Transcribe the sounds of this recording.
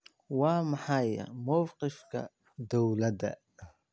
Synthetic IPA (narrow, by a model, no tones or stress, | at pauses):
wɑːmɑħɑjɐ̰mɐwqɪfkʰɐ̰ | d̪ɔwlɐd̪ɐ̰